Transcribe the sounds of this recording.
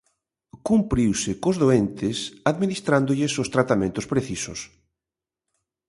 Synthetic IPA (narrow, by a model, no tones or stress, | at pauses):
kumpɾiwsɪkozðoent̪ɪsaðminist̪ɾand̪oʎɪsost̪ɾat̪amẽnt̪ʊspɾeθisʊ̰s